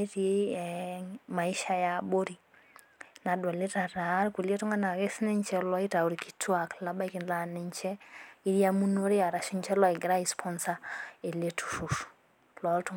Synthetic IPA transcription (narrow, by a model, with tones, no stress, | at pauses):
e˦ɾie | ma˨i˦ʃa˦jabo˦ɾi˨ | na˨dwɔ˨le˦ta˨ɾa˨˦ɾku˨lie˦tu˦ŋɡa˦na˨ke˦snɪ˦ɲt͡ʃɛ˦lɔ˦i˦ta˨u˨ɾiki̥˦tʰwa˨kla˦ba˦i˦kɪ˨nla˨nɪɲt͡ʃɛ˦i˦ɾja˦mu˦no˦ɾi˦a˨ɾa˨ʃi˦ɲt͡ʃɛ˦lɔ˦i˨ɡɪ˨ɾa˦ispʰɔ˦nsa˦e˨le˦tʰu̥fuf | lɔ˨˦ltu˦